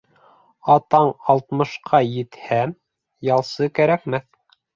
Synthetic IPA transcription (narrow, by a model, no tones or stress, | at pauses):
ɑt̪ɑɴɑlˠt̪mɤ̆ʃqʰɑjɘ̆t̪hæm | jɑlˠsɤkæɾækmæθ